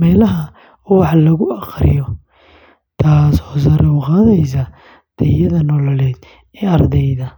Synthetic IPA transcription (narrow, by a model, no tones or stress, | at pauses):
mɛːlɐɦɐ | wɑħɑlɐɣʊɑqrɪ̰jɔ | t̪ʰaːsɔːsɐɾɛwqaːðɛjs̬ɐ | d̪̥ʰɛjɐðɐnɔːlɐlɛːd̪̥ | ɛːɐrd̪ɛjðɐ